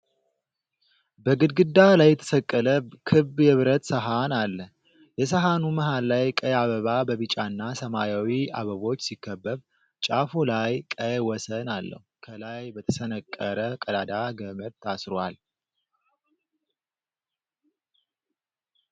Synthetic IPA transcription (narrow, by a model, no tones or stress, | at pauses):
bəɡɨd̪ɡɨd̪ːalajːɛt̪ʰə̥səkʼːələkʰɨbjɛβɾət̪səɦanalːə | jɛs̬əɦanuməɦalːajkʼəjaβəβabəβɨt͡ʃʼanːasəmajawia̰βəβo̞t͡ʃːsikːəbːəβ | t͡ʃʼafolajkʼəjwɔsənalːə̰hukʰəlajbət̪ʰəsənəkʼːəɾəkʼəlad̪aɡəməɾt̪ʰasɾowal